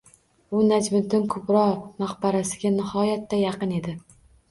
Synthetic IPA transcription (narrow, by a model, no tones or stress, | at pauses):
ʊnad͡ʒmɪd̪ɪnkʰʊpɾɒmaχbaɾasɪɡʲanɪhɒjat̪ːajɑqɨne̞d̪ɪ